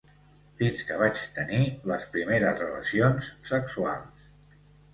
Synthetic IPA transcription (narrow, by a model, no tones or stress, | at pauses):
finskəβ̞at͡ʃt̪əniləspɾimeɾəzrələsionsːəksualˠs